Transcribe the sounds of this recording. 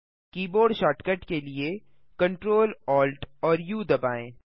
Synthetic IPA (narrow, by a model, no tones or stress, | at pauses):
kiːboːɾɖʃaːʈkəʈkelie | kɐ̃ɳʈɾoːlɔːlʈɔːɾjuːd̪ɐbaːḛ̃ː